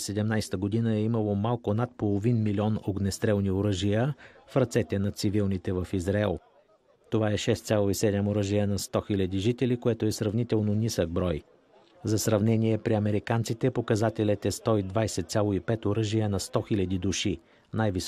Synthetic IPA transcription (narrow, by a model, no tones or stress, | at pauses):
sɛd̪ɛmnajsɛ̥t̪əɡod̪inəɛimɐlˠomalˠkonat̪̚polˠovinmilʲiɔnoɡnɛst̪ɾɛlˠnioɾɤʒijəfɾɐt̪sɛt̪ɛnɐt̪sivilˠnit̪ɛvɐfizɾaɛlˠ | t̪ovaɛʃɛst̪sʲalˠoisɛd̪ɛmoɾɤʒijənɐst̪ɔxilʲɐd̪iʒit̪ɛlikoɛt̪oɛsɾɐvnit̪ɛlˠnonisəɡ̚bɾɔj | zɐsɾɐvnɛniɛpɾiɐmɛɾikant̪sit̪ɛpokɐzat̪ɛlʲɛt̪ɛst̪ɔid̪vajsɛt̪sʲjalˠoipɛt̪oɾɤʒijənɐst̪ɔxilʲɐd̪id̪uʃi | najvis